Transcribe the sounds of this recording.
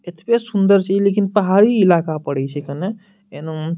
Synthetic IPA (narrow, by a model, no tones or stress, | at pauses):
et̪ʰpesund̪əɾt͡ʃʰilekinpəɦaɾiːlakapəɽɛt͡ʃʰɛkəne | en